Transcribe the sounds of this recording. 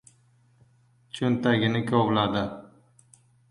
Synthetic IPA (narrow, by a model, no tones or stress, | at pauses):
t͡ʃʰɵnt̪aɡʲɪnɪkʲʰoʁlad̪ɪ